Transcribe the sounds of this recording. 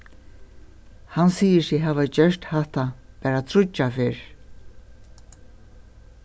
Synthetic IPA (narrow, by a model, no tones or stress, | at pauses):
hansiːjəsɪɦaːvad͡ʒœɹt̪haht̪a | pæːɾat̪ʰɾʊt͡ʃːafɪɹ